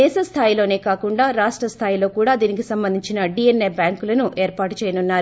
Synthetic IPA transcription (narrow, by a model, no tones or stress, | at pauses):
ɛːʃɐst̪ʰaːjilo̞ːne̞ːkaːkuɳɖaːɾaːʂʈɾɐst̪ʰaːjilo̞ːkuːɽaːd̪iːnikisɐmbɐnd̪ʱiɲt͡ʃinɐɖienːebjaːŋkulɐnuʔɛːɾpaːʈut͡ʃɛːjɐnunːaːɾu